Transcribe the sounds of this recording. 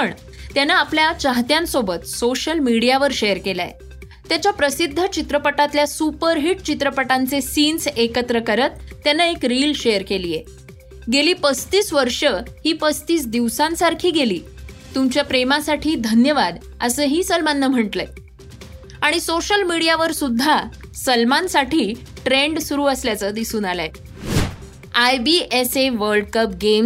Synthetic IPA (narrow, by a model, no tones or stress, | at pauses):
əɳ | t̪janaːpljat͡ɕaɦt̪jãnsobət̪soɕəlmiɽijaʋəɾɕejəɾkela̰j̰ | t̪jat͡ɕjapɾəsid̪ʱːət͡ɕit̪ɾəpəʈat̪ljasupəɾɦiʈ̚t͡ɕit̪ɾəpəʈant͡sesinsekət̪ɾəkəɾət̪ːjanːaekɾilɕejəɾkeliːje | ɡeliːpəst̪iːsʋəɾʂəhiːpəst̪iːsd̪iʋsãnsaɾkʰiːɡeliːt̪umt͡ɕjapɾemasaʈʰiːd̪ʱənjəʋad̪ | əsəːɦiːsəlmanːəm̤əɳʈləj | aɽ̃isoɕəlmiɽijaʋəɾsud̪ʱːasəlmansaʈʰiː | ʈɾeɳɖsuɾuːəsljat͡səːd̪isuːnalae | ajbiʔeseʋəɾɖkəp̚ɡem